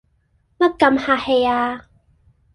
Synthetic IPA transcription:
mɐ˦˥kːɐ˨˧˨mhaː˨he˨˩jaː˧

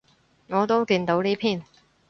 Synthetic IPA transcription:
ŋɔː˨˧t̪o˥wkiː˧nt̪o˨˥wniː˥pʰiː˥˩n

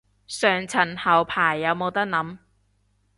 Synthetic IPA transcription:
sœː˨˩ŋt͡sʰɐ˨˩nhɐ˨˩wpʰaː˨˩jːɐ˨˧wmo˨˧wt̪ɐ˥k̚nɐ˨˥m

